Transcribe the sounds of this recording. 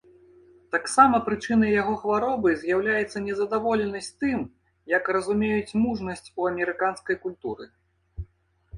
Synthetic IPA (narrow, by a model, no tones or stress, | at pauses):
t̪aksamɐpɾɨt͡ʂɨnɐjjaɣɔxvaɾɔbɨzʲjawlʲajɛt̪sːɐnʲɛzɐd̪avɔlʲɛnɐsʲt͡sʲt̪ɨm | jɐkrɐzumʲejut͡sʲmuʐnɐsʲt͡sʲuɐmʲɛɾɨkanskɐjkulʲt̪uɾɨ̰